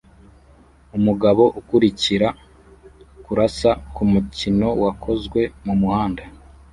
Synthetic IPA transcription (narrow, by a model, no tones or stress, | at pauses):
umuɡaβo̞ʔukuɾiciɾa | kuɾasakumucino̞wakʰo̞zɡwe̞mumuhaːnda